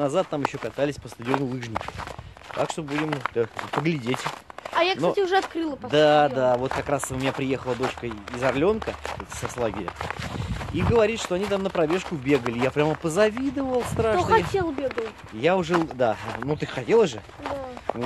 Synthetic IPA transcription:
nɐzat̪̚ːamjɪɕːokɐt̪alʲɪsʲpəst̪ʊdʲɪonʊlˠɨʐnʲɪkɪ | t̪a̰kʂt̪o̞budʲɪmd̪apəɡlʲɪdʲetʲajaknsoatʲɪʊʐɛɐt̪kɾɨlˠəpd̪ad̪avo̞t̪kɐkɾasʊmʲɪnʲapɾʲɪje̞xəlˠəd̪o̞t͡ɕkəɪzɐrlʲo̞nkəsɐslˠaɡʲɪɾʲə̰ | iɡəvɐɾʲit̪ʂt̪o̞ɐnʲit̪amnəpɾɐbʲe̞ʂkʊbʲe̞ɡəlʲɪjapɾʲaməpəzɐvʲid̪əvəlˠst̪ɾaʂat̪ʲelˠbʲeɡəlˠ | jaʊʐɛd̪anot̪ɨxɐtʲe̞lˠəzʐɨ | d̪

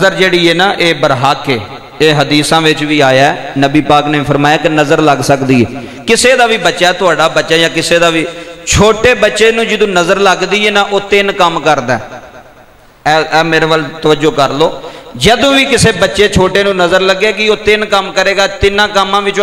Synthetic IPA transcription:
zəɾd͡ʒeːɽiːɛːnaːʔeːbəɾɦaːkʰeː | eːɦəd̪iːsãːʋɪt͡ʃʋiːaːjaːɛnəbiːpaːkneːpʰəɾmaːjaːkɪnəzəɾləɡsəkd̪iːɛː | kɪseːd̪aːʋiːbətːʃaːɛːt̪ʊaːɖaːbətːʃaːjãːkɪseːd̪aːʋiːt͡ʃʰoːʈeːbətːʃeːnũːd͡ʒɪd̪õːnəzəɾləɡd̪iːeːnaʔoːt̪ɪnkəmkəɾd̪aː | ɛːɛːmeːɾeːʋəlt̪əʋəd͡ʒoːkəɾloːd͡ʒəd̪õːʋiːkɪseːbətːʃeːt͡ʃʰoːʈeːnũːnəzəɾləɡːeːkɪoːt̪ɪnkəmkəɾeːɡaːt̪ɪnãːkəmːãːʋɪt͡ʃː

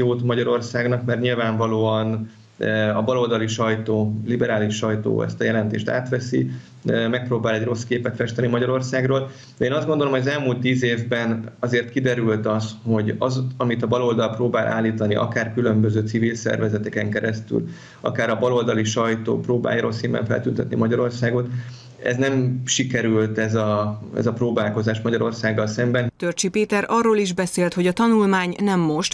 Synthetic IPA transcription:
oːt̪mɒɟɒɾo̞rsaːɡnɒkmɛrɲilvaːɱvɒloːɒn | ɒbɒlo̞ld̪ɒliʃɒjt̪oːlibɛɾaːliʃɒjt̪o̰ːɛ̰st̪ɒjɛlɛnt̪ḛːʃt̪a̰ːt̪ʋɛsḭ | mɛk̚proːbaːlɛɟro̞skeːpɛt̪fɛʃt̪ɛnimɒɟɒɾo̞rsaːɡroːl | d̪ɛeːnɒzd̪ɡo̞nd̪olomɦoɒzɛlmuːlt̪ːiːzeːvbɛnɒzeːrt̪kid̪ɛɾylt̪ɒsho̞ɟɒzɒmit̪ɒbɒlo̞ld̪ɒlproːbaːlʔa̰ːlːiːt̪ɒniʔɒ̰kaːrkylø̞mbø̞zøːt̪sivilsɛ̰rvɛzɛt̪ɛkɛŋkɛɾɛst̪y̰l | ɒ̰kaːɾɒbɒlo̞ld̪ɒliʃɒjt̪o̰ːproːba̰ːjaɾo̰lsimbɛ̰ɱfɛ̰lt̪ynt̪ɛt̪nḭmɒɟɒɾo̞rsaːɡo̞t̪ | ɛ̰znɛmʃikɛɾylt̪ɛzɒɛ̰zɒproːbaːlko̞zaːʃmɒɟɒɾo̞̰rsaːɡːɒlsɛmbɛnt̪ørt͡ʃipeːt̪ɛɾɒrːoːliʒbɛseːlt̪hoɟɒt̪ɒnulmaːɲnɛmːo̞ʃt̪

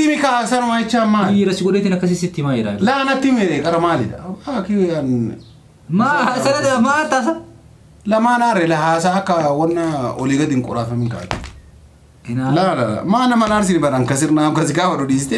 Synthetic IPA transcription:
ɪmɪkaːsɐnʊmaɪt͡ʃːaːmːaːɾɐsɪɡɔɗeːt̪ɪnɐkːɐs̬ɪsɪt̪ːɪmaːd͡ʒɪɾa̰laːnɐt̪ːɪmɛekʼɐɾɐmaːlɪᶑ̪ɐ̰akɪɐn | maɐdɐɐmaːt̪ːaːs̬ɐ | lɐmaːnaːɾːɛlɐɦaːs̬aːkːɐwɐnːaɔlɪɡɐd̪ɪŋkʼʊ̰ɾaːfɐmɪŋka̰ːt̪ːɪ̥ | nlaːlɐlɐ̰maːnɐmɐnaːɾs̬ɪnɪbɐɾɐŋkɐs̬ɪɾnaːkɐs̬ɪɡaːfɐɗɔᶑiːsɪt̪ɛ

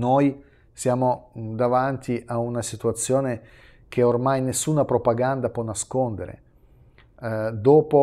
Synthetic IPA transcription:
noj | sjaːmod̪avant̪iʔaunasit̪uat̪sːjoːne | kʰeormajnesːuːnapɾopaɡand̪apwɔnːaskond̪eɾḛ | d̪oːpo

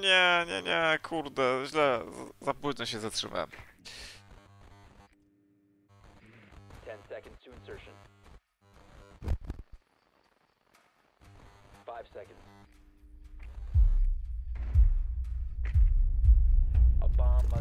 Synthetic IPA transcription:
ɲɛɲɛ̰ɲɛkʰuɾd̪ɛʑlɛzapuʑnɛɕɛzatʂɨ̰va̰m | tʰɛ̃nsɛkn̩d̥tʰɨɨ̃nsɜ˞ʃɨ̃n | faɪv̥sɛkn̩dz̥ | ʔə̰bɑm

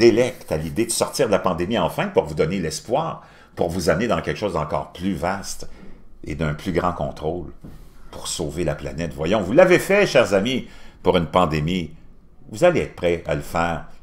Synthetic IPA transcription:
d̪̥elɛkt̪alid̪ed̪əsɔʁt̪iːʁd̪əlapɑ̃d̪emiɑ̃fɛ̃puʁvud̪ɔnelɛspwaːʁ | pṵʁvuzamned̪ɑ̃kʲɛlkəʃozd̪ɑ̃kɔ̰ːʁplyvast̪ḛd̪ɛ̃plyɡʁɑ̃kɔ̃t̪ʁolpuʁsoːvelapla̰nɛt̪vwajɔ̃vulːavefɛʃɛːʁzamipuʁynpɑ̃d̪emi | vuzaleɛːt̪χpʁɛa̰ləfɛːʁ

